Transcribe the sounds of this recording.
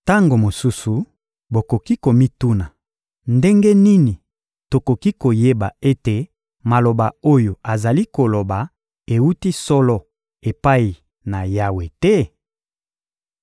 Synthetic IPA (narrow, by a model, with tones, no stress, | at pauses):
ta˦ŋɡo˨mo˨su˦su˨ | bo˨ko˨ki˦ko˨mi˦tu˦na˨ | nde˦ŋɡe˦ni˦ni˨ | to˨ko˨ki˦ko˨je˦ba̰˨e˦te˨ | ma˨lo˨ba˨o˦jo˨a˨za˨li˦ko˨lo˨ba˨ | e˨wu˦ti˦sɔ˦lɔ˦ | e˨pa˦i˨ | na˨ja˦we˨tɛ˦